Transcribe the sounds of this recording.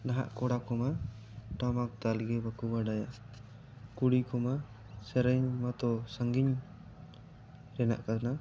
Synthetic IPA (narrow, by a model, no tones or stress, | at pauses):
naɦa̰ʔkɔɽakɔma | ʈamak̚t̪alɡɛbakubaɖaja | kuɽikɔma | sɛɾɛɲmat̪ɔsaŋɡiɲ | ɾɛna̰ʔkana